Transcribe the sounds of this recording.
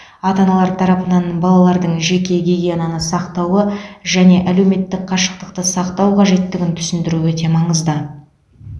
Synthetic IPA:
ɑt̪ɑnɑlˠɑɾt̪ʰɑɾɑpənɑnbɑlˠɑlˠɑɾd̪əɴʒe̞kʲe̞ɡʲeɡʲijenɑnəsɑqt̪ɑwəʒæne̞ʔæle̞wme̞t̪ːɪk̚qʰɑʃə̥q̚t̪əqt̪əsɑqt̪ɑwqʰɑʒe̞t̪ːɪɡʲɪnt̪ʰʏ̥sɪnd̪ɪɾuwɵt̪e̞mɑɴəzd̪ə

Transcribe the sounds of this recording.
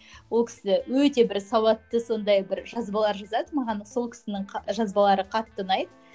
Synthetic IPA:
wo̞lˠkʲʰɪ̥sɪɪwɵt̪e̞bɪɾsɑwɑt̪ːəso̞nd̪ɑjbɪɾʒɑzbɑlˠɑɾʒɑzɑd̪əmɑʁɑnːəso̞lˠkʲʰɪ̥sɪnɪŋʒɑzbɑlˠɑɾəqʰɑt̪ːənɑjd̪ə

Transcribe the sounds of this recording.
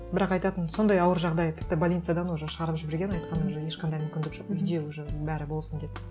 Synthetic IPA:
bɪɾɑqɑjt̪ɑt̪ənso̞nd̪ɑjɑwəɾʒɑʁd̪ɑjt̪ʰɪ̥p̚t̪ːɪbolʲijt̪sɨjad̪ɑnwoʒɪʃəʁɑɾəpʒɪbeɾɡʲe̞nɑjt̪̚qʰɑnʒɪje̞ʃqɑnd̪ɑjmʏmkʲɪnd̪ɪkʒoqʏjd̪ewɵʒɪbæɾɪbo̞lˠsənd̪et̪

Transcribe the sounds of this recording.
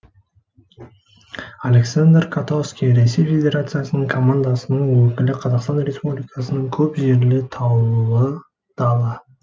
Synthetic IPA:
alʲe̞ksand̪rkʰat̪oskʲijɾe̞se̞jfʲe̞dʲe̞ɾat̪sɨjasənəɴkʰo̞mand̪asənəɴwɵkʲɪlɪqʰɑzɑqst̪ɑnɾʲe̞spublijkɑsənəɴkʲʰɵpʒe̞ɾlɪt̪ʰɑwuə | d̪̥ɑlˠɑ

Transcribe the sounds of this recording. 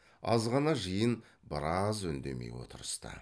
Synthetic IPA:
ɑ̰zʁɑnɑʒəjən | bəɾɑzʏnd̪e̞mḛjwo̞̰t̪əɾəst̪ə̰

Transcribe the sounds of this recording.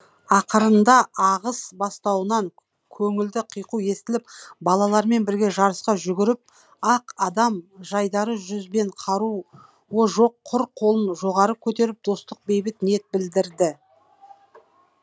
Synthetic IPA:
ɑqəɾənd̪ɑʔɑʁəsbɑst̪ɑwənɑŋ | kʲʰɵŋɪld̪ɪqʰijquje̞st̪ɪlɪpbɑlˠɑlˠɑɾme̞nbɪɾɡʲe̞ʒɑɾəsqɑʒʏɡʲɪɾɪp̚ | ɑqɑd̪ɑmʒɑjd̪ɑɾəʒʏzbe̞ɴqʰɑɾu | woʒo̞qʰːʊɾqʰːo̞lˠənʒo̞ʁɑɾəkʲʰɵt̪e̞ɾɪp̚d̪o̞st̪əq̚be̞jbɪt̪nje̞t̪̚bɪld̪ɪɾd̪ɪ

